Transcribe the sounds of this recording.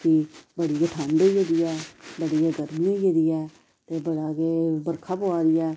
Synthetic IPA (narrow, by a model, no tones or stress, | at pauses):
kibəɽɪjaːʈʰãːɳɖeːd͡ʒeːd̪ɪjɛːbəɽɪjaːɡəɾmiːd͡ʒed̪ɪjɛː | t̪eːbəɽaːɡeːbəɾkʰaːpoːaːɾɪjɛː